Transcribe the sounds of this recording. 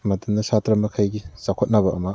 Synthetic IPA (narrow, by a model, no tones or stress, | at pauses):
mɐdɐndɐsatɾɐmɐkʰajɡiz̥akʰot̚nɐbɐʔɐmɐ